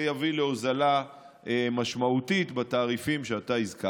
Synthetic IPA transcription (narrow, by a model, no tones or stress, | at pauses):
javileozala | emaʃmaut̪it̪bat̪aːʁifimʃeat̪aizka